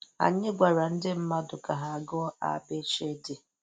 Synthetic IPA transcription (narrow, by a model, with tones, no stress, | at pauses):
a̰˨ɲɪ˦ɡʷa˨ɾa˨n̩˦dɪ˦m̩˦ma˦dʊ˨ka˨ɦa˨a˨ɡɔ˦a̰˦˨be˦t͡ʃe˦dɪ˨